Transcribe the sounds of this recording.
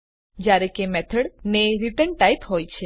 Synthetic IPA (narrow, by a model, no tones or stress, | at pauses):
d͡ʒjaɾekemɛt̪ʰəɽneɾipəɳʈajt̪ɦojt͡ʃʰe